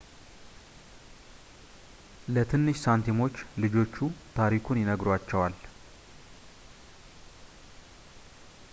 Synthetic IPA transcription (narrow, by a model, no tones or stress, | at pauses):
lət̪ʰɨnːɨʃsant̪ʰimo̞t͡ʃːlɨd͡ʒo̞t͡ʃːut̪ʰaɾikʰunjɪnəɡɾat͡ʃːɛwal